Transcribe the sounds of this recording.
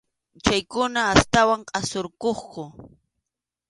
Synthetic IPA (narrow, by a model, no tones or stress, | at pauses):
t͡ʃajkʊnaːst̪awaɴqʼɑsoɾkoχkʊ